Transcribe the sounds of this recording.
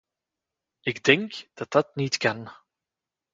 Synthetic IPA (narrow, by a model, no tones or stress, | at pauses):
ɪɡdɛŋkd̥ɑt̚dɑtnitkɑn